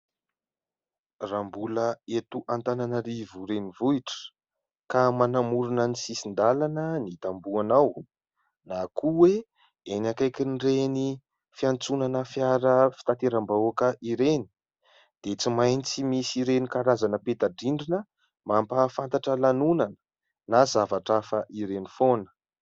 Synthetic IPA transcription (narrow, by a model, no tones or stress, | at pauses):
rambuləet̪uʔant̪ananəɾivuɾenivuiʈ͡ʂə̥ | kamanamuɾunənisisind̪alanənit̪ambuanaw | nakʰuwe | enakajkʲinreni | fiant͡sunanəfjaɾəfi̥t̪at̪eɾambaokəʔiɾeni̥ | d̪̥et͡simajnit͡simisiɾenikaɾazanəpet̪aɖ͡ʐiɳɖ͡ʐinə | mampafant̪aʈ͡ʂəlanunanə̥ | nazavaʈ͡ʂafəʔiɾenifonə̥